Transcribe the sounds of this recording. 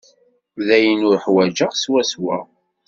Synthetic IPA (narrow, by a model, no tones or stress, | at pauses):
ðæjənʊɾħwæd͡ʒəʁswæswæ̰